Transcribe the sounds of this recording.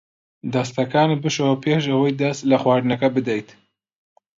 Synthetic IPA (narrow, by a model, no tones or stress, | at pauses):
d̪ɐst̪ɐkaːnibɨʃɐwɐpʰeːʃ̬ɐwɐjd̪ɐst̪lɐxwaːɾnɐkɐbɨd̪ɐjt̪